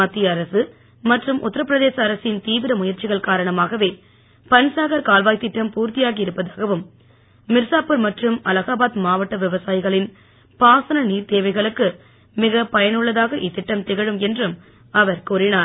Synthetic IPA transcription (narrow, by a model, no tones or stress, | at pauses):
aːt̪ːɪjɐɾɐsɯ | mɐʈrɯmʔʊ̰t̪ːɐɾɐpɾɐðeːsɐːɾɐsɪnt̪iːʋɪɾɐmʊjɐɾt͡ʃɪɣɐɭkaːɾɐɳɐmaːɣɐʋeː | pɐnsaːɣɐɾkaːlʋaːjt̪ɪʈːɐmpuːɾt̪ɪjaːɣiɪɾɯpːɐðaːɣɐʋɯmː | ɪɾsaːpɯɾmɐʈrɯmɐlɐɣaːbaːt̪maːʋɐʈːɐʋɪʋɐsaːjɪɣɐɭɪn | paːsɐnɐniːɾt̪eːʋɐɪɣɐɭɯkːɯ | mɪɣɐpɐjɐnɯɭːɐðaːɣɐʔɪt̪ːɪʈːɐmt̪ɪɣɐɻɯmɛndrɯm | ɐʋɐɾkuːɾɪnaː